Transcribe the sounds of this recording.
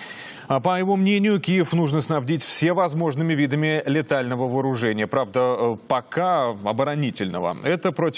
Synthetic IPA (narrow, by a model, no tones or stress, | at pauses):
əpəjɪvo̞mnʲenʲɪjʊkʲijɪfnuʐnəsnɐbdʲitʲfsʲevɐzmo̞ʐnɨmʲɪvʲid̪əmʲɪlʲɪt̪alʲnəvəvəːɾʊʐɛnʲɪjəpɾavd̪əpɐkaɐbəɾɐnʲitʲɪlʲnə̰və̰ɛt̪əpɾotʲ